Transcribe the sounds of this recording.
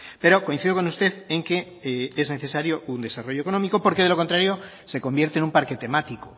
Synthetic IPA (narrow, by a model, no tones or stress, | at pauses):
pe̞ɾo̞ko̞in̟θiðo̞k̬o̞nust̪e̞θeŋke̞ | ezne̞θe̞saɾjo̞und̪e̞saro̞ʝoeko̞no̞miko̞po̞ɾke̞ðe̞lo̞kont̪ɾaɾjo̞ | se̞ko̞mbje̞ɾt̪enumpaɾke̞t̪e̞mat̪iko